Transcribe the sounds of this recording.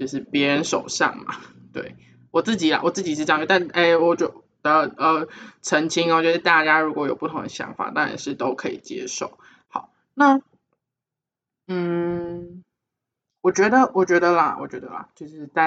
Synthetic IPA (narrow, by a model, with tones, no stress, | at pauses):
t͡ɕjo˥˧ʂ̬ɻ̩˥˩pjɛ˧˥ɻə˧˦nʂo̰˨˩ʊʂɑ̰˥˩ŋma̰˨˩ | t̪wḛ˥˩ɪ | wɔ˨˩t͡sɹ̩˥˩t͡ɕi˨˩la̰˨˦wɔ˨˩t͡sɹ̩˥˩t͡ɕi˨˩ʂ̬ɻ̩˥˩t͡ɕɑ˨ŋt͡ɕy˧˥t̪a˥˩n˩ʔe˥˩ɪwɔ˨˩t͡ɕ | d̪̥ə˨˩ə˩ʈ͡ʂʰə˧˥ŋt͡ɕʰi˥ŋ˨˩t͡ɕɥɛ˧˥ə˧t̪a˥˩t͡ɕja˥ɻu˧˥kwɔ˧˥jo˨˩ʊpu˥˩t̪ʰʊ˧˦ŋd̪ə˧ɕjɑ̰˧˥ŋfa̰˨˩t̪ɑ˥ŋɻa̰˨nʂɻ̩˥˩t̪o˥ʊkʰɤ˧˥ḭ˨˩t͡ɕjɛ̰˥ʂo˥˩ʊ | xɑ˨˩˦ʊ | na˥˨ | n̩˥˩ | wɔ˨˩t͡ɕɥɛ˧˥d̪ə˧wɔ˨˩t͡ɕɥɛ˧˥d̪ə˧lɐ˨wʔɔ̰˨˩t͡ɕɥɛ˧˥d̪ə̰˧˨lɐ̰˩t͡ɕjo˥˧ʊʂɻ̩˥˧t͡sa˥˧